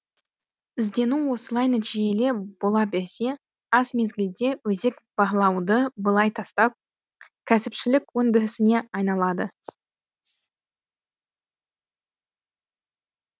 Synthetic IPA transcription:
ɪzd̪e̞nuwo̞səlˠɑjnæt̪ʰiʒe̞le̞b̥o̞lˠɑbe̞ɾse̞ | ɑsme̞zɡʲɪld̪e̞wɵze̞kb̥ɑʁlˠɑwd̪əbəlˠɑjt̪ʰɑst̪ɑp̚ | kʲʰæsɪpʃɪlɪkʲwɵnd̪ɪɾɪsɪne̞ɑjnɑlˠɑd̪ə

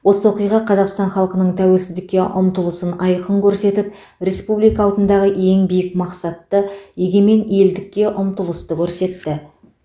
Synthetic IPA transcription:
wo̞səwo̞qijʁɑqʰɑzɑqst̪ɑnχɑlˠqənəɴt̪ʰæwe̞lsɪzd̪ɪkʲːe̞ʔʊmt̪əlˠəsənɑjqəŋkʲʰɵɾse̞t̪ɪp | re̞spublijkɑːwt̪ənd̪ɑʁəe̞ŋbijɪkmɑqsɑt̪ːəjeɡʲe̞me̞ne̞ld̪ɪkʲːe̞ʔʊmt̪əlˠəst̪əkʲʰɵɾse̞t̪ːɪ

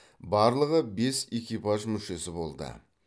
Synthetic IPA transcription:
bɑɾlˠəʁəbe̞sekʲijpɑʒmʏʃe̞sɪbo̞lˠd̪ə̰

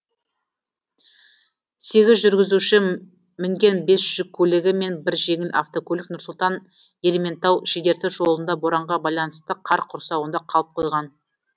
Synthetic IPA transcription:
se̞ɡʲɪzʒʏɾɡʲɪzuʃɪ | mɪŋɡʲe̞nbe̞sʒ̥ʏkʲʰɵlɪɡʲɪme̞nbɪɾʒe̞ŋɪlʔa̰ft̪o̞kʰolʲeknʊɾsʊlˠt̪ɑn | e̞lʲeme̞nt̪ɑwʃid̪e̞ɾt̪ɪʒo̞lˠənd̪ɑboɾɑɴʁɑbɑjlˠɑnəst̪əqʰɑɾqʰʊɾsɑwənd̪ɑqʰɑlˠəp̚qʰo̞jʁɑn

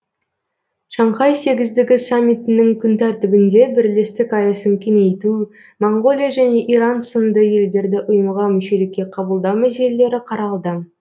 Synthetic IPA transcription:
ʃɑɴqɑjse̞ɡʲɪzd̪ɪɡʲɪsamʲːijt̪ɪnɪŋkʲʰʏnt̪ʰæɾt̪ɪbɪnd̪e̞bɪɾle̞st̪ɪkɑjəsəmkʲene̞jt̪u | moɴɡo̞lʲijaʒæne̞ʔiɾansənd̪əje̞ld̪e̞ɾd̪ɪʔʊjəmʁɑmʏʃe̞lɪkʲːe̞qʰɑbəlˠd̪ɑwmæse̞le̞le̞ɾɪqʰɑɾɑlˠd̪ə

